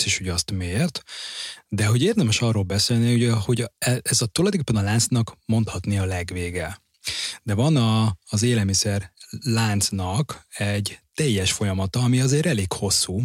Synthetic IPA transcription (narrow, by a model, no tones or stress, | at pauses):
siʃhoɟɒst̪meːrt̪ | d̪ɛɦo̞ɟeːrd̪ɛmɛʃɒrːoːlbɛseːlniuɟho̞ɟɛɛzɒt̪ulɒjd̪okepːɛnɒlaːnt̪snɒkmo̞nt̪hɒt̪niɒlɛɡʋeːɡɛ | d̪ɛvɒnɒːzeːlɛlmisɛrlaːnt̪snɒkɛɟt̪ɛjːɛʃfo̞jɒmɒt̪ɒːmiɒzeːɾɛleːkho̞sːuː